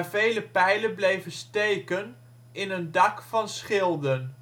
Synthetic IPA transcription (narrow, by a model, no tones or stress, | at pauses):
vejləpɛjlənblejvənstejkən | ɪnəndɑkfɑnsχɪlˠdən